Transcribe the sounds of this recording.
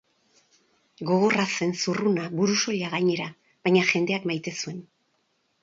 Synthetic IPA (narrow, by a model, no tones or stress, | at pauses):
ɡo̞ɣ̞o̞rase̞nsurunaβuɾuso̞ʎaɣaɲe̞ɾa | βajɲaʝe̞nd̪e̞akmajt̪e̞sue̞n